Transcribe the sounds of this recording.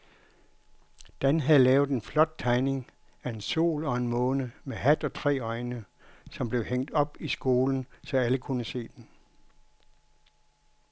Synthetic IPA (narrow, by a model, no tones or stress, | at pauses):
d̥ænɦæðˠlɛːʊð̞̩ˠenflɒ̽d̥̚t͡sʰɑ̈ɪne̝ŋ | æe̝nso̝̰ːlɒ̽e̝nmɔ̽ːnəmeɦæd̥ɒ̽t͡sʰʁɛ̰ːɒ̽ɪnə | sɒ̽mb̥le̝ʊheŋ̰d̥ɒ̽b̥isɡ̥o̝ːln̩sɒ̽æləkʰunəse̝̰ːd̥en